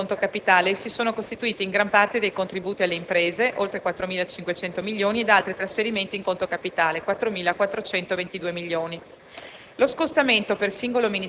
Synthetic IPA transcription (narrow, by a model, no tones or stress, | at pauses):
nt̪okapit̪aːlesisoːnokost̪it̪uiːt̪iːŋɡɾampart̪ed̪ejkont̪ɾibuːt̪ialːeimpɾeːzeʔolt̪ɾekwat̪ːɾomiːlat͡ʃiŋkwet͡ʃɛnt̪omiʎːoːnied̪alt̪ɾit̪ɾasfeɾiment̪iŋkont̪okapit̪aːlekwat̪ːɾomiːlakwat̪ːɾot͡ʃɛnt̪ovent̪id̪uːemiʎːoːni | loskost̪ament̪opersiŋɡolomini